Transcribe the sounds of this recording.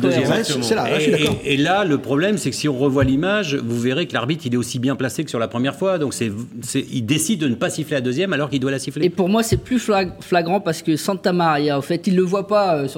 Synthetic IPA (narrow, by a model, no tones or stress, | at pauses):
d̪øzjɛsɛad̪aɔːlaləpχɔblɛmsɛkə̥siɔ̃ʁəvwalimaʒvuveʁekəlaʁbit̪χilɛosibjɛ̃plasekəsyʁlapχəmjɛʁfwad̪ɔ̃ksɛvsɛild̪esid̪̚ːənəpasiflead̪øzjɛmalɔʁkild̪walasiflepuʁmwasɛplyfaflaɡʁɑ̃paʁsə̥kəsɑ̃t̪amaʁjaofɛt̪ilːəvwapaøs